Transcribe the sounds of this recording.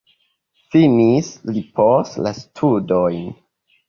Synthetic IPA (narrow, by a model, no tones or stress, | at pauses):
finislipʰostla̰stʰudojn